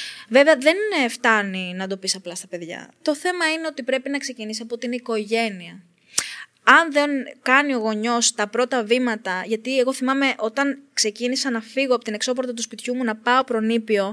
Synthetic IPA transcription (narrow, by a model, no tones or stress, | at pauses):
ve̞veɐðe̞nft̪ɐninɐd̪o̞pisɐplɐst̪ɐpe̞ðʝɐ̰t̪o̞θe̞mɐineo̞t̪ipɾe̞pinɐkse̞cinis̬iɐpot̪iiniko̞ʝe̞niɐ | ɐnðenkɐnio̞ɣo̞ɲo̞st̪ɐpɾo̞t̪ɐvimɐt̪ɐʝɐt̪ie̞ɣo̞θimɐme̞ʔo̞t̪ɐnkse̞cinisɐnɐfiɣoɐpo̞t̪ine̞kso̞poɾt̪ɐt̪uspit̪çumunɐpɐo̞pɾo̞nipio̞